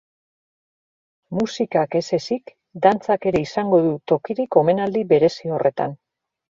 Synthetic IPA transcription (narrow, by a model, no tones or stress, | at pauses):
musikake̞se̞sik | d̪ant͡sake̞ɾe̞isaŋɡo̞ðut̪o̞kiɾiko̞me̞nald̪iβe̞ɾe̞sio̞re̞t̪a̰n